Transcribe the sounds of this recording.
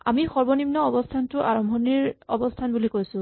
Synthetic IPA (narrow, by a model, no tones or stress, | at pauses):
a̰mixɔɹbɔnimnɔɔbɔstʰantʊʔa̰ɹɔmbʱɔniɹɔ̰bɔstʰanbulikojsʊ̃